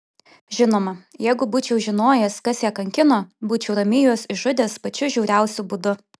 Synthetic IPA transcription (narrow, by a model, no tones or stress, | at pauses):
ʒʲɪnoːmɐjɛɪɡʊbuːt͡ʃʲɛʊʒʲɪnoːjɛskɐsjɛːkɐŋʲkʲɪnoːbuːt͡ʃʲɛʊɾɐmʲɪjuːsɪʒʊd̪ʲeːspɐt͡ʃʲʊʒʲɛʊɾʲɛˑʊsʲʊbʊd̪ʊ